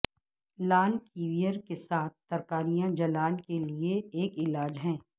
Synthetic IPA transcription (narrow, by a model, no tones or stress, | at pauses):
laːnkiːʋijəɾkesaːt̪̚ʰːɐɾkaːɾijãd͡ʒɐlaːnkelieeːkɪlaːd͡ʒɦɛ̃ː